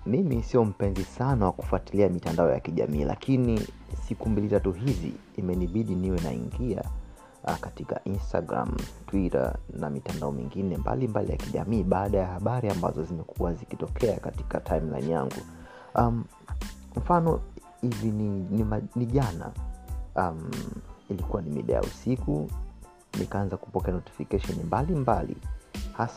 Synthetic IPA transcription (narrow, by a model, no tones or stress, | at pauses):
mimisiɔm̩pɛnzisanawaku̥fuatiliamitandaɔja̰kiʄa̰miːlʔa̰kʰinisikumbilitatuɦizḭːmɛniɓiɗiniwɛna̰ḭŋɡia̰ | katika̰ʔinstaɡɾa̰mtwiɾa̰na̰mitandaɔmḭŋɡinɛmba̰limbalḭja̰kiʄa̰miːɓaːɗajahaɓaɾiamba̰zɔzimɛkʰuwazikitɔkʰɛakati̥katʰaimla̰inija̰ŋɡṵ | am | m̩fanɔ | hivininimaniʄana̰ | milikuwanimḭɗa̰ja̰usiku | nḭkaanzaku̥pɔkɛanɔti̥fikaʃɔnimbalimbalḭhas